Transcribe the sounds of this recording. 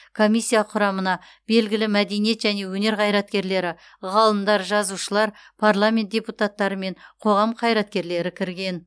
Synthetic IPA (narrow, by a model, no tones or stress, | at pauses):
kʰo̞mʲijsʲːijaqʰʊɾɑmənɑ | b̥e̞lɡʲɪlɪmæd̪e̞nije̞t̪ʒæne̞wɵne̞ɾqʰɑjɾɑt̪̚kʲe̞ɾle̞ɾɪ | ʁɑlˠəmd̪ɑɾʒɑzuʃəlˠɑɾpʰarlˠamʲe̞nt̪̚dʲeput̪at̪ːɑɾəme̞ɴqʰo̞ʁɑmqʰɑjɾɑt̪kʲe̞ɾle̞ɾɪkʲʰɪɾɡʲe̞n